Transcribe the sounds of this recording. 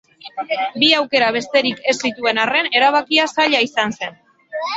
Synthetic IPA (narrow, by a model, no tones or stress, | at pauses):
biawke̞ɾaβ̞e̞st̪e̞ɾike̞sːit̪ue̞nare̞ne̞ɾaβ̞akiasaʎaisanse̞n